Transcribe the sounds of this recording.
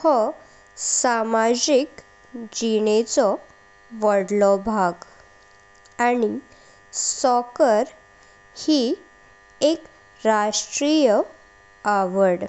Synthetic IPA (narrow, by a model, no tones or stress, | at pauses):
hɔ | samad͡ʑik | d͡ʑiɳet͡sɔ | ʋəɽlɔbʱaɡ | aɽ̃i | sɔkəɾ | hi | ek | ɾaʂʈɾijə | aʋəɽ